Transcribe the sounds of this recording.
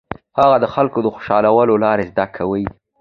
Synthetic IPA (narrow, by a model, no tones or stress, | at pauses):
haɣad̪əxalkod̪əxo̥ʃɑlawəlolɑɾezd̪akʰawəj